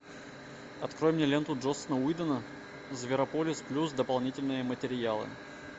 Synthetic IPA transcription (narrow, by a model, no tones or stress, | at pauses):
ɐt̪kɾojɪmnʲelʲe̞nt̪ʊʐosənəujd̪ənə | zvʲɪɾɐpolʲɪsplʲus̬d̪əpɐlˠnʲitʲɪlʲnɨjəmətʲɪɾʲjalˠɨ̰